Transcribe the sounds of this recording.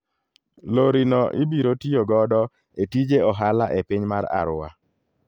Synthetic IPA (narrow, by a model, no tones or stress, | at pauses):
loɾinɔʔɪbiɾotioɡɔdɔ | etid͡ʒeɔɦalaʔepiɲmaɾa̰ɾʊwa